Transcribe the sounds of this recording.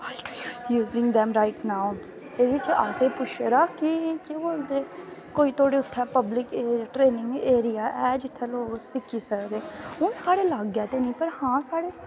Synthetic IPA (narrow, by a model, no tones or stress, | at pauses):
aɪkjuːzɪ̃ŋɡd̪ɛ̃mɾaɪʈnaːʊ | eːɾit͡ʃiʔaːsepʊʃeɾakikeboːlt̪eːkoːit̪ʰoːɽeʊt̪ʰːɛpəblɪkeːɾaʈɾeːnɪ̃ŋɡeːɾijaːʔɛːd͡ʒɪt̪ʰːɛloːɡsɪkːisəɾɾeːʊ̃ːsaːɽelaːɡɡaːt̪enĩːpɐɾhãːsaːɽeː